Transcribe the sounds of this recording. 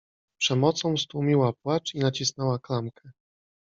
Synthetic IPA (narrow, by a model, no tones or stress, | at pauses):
pʂɛmɔt̪sɔ̃w̃st̪wumʲiwapwat͡ʂinat͡ɕisnɛwaklamkʰɛ